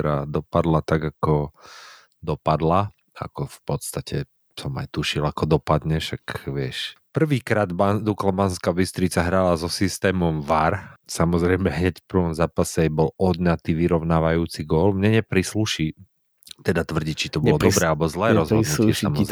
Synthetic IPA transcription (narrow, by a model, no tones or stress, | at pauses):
ɾa̰d̪ɔpad̪lat̪aɡakɔ | d̪ɔpad̪la | a̰kɔfpɔt̪st̪acɛ | sɔma̰jt̪uʃilakɔd̪ɔpad̪ɲɛʃakʋɪɛʃpr̩ʋiːkɾaːd̪bad̪uklabanskabist̪ɾit͡saɦɾalazɔsist̪ɛːmɔmʋaɾsamɔzɾɛjmɛɦɲɛcfpɾʋɔmzaːpasɛbɔlɔd̪ɲat̪iːʋiɾɔʊnaːʋajuːt͡siɡɔlmɲɛɲɛpɾisluʃi | t̪ɛd̪at̪ʋr̩ɟiːt͡ʃit̪ɔbɔlɔd̪ɔbɾɛːalɛbɔzlɛːɾɔzɔd̪uɪɛm